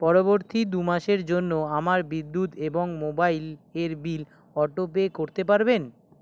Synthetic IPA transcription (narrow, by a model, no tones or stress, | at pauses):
pɔɾoboɾt̪id̪umaʃeɾd͡ʑonːoamaɾbid̪ːut̪eboŋmobaileɾbil | ɔʈop̬ekoɾt̪epaɾben